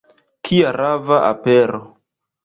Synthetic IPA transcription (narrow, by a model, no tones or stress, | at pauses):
kʰiaɾavaʔa̰peɾo